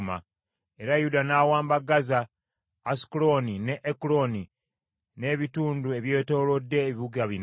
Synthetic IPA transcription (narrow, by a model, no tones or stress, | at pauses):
ma̰ | e̞ɾajudanawaːmbaɡazaː | si̥kulo̞nine̞ʔːkulo̞ni | ne̞ːβituːndue̞βje̞ːto̞ːlo̞dːe̞ːβiβuɡaβin